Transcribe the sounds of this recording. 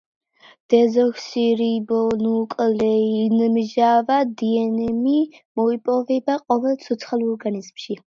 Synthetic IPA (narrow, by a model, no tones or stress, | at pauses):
d̪̥ɛzɔksiɾibɔnukʼlɛinmʒavad̪iɛnɛmimɔipʼɔvɛbaqʼɔvɛlˠt̪sʰɔt̪sʰχalˠɔɾɡanizmʃi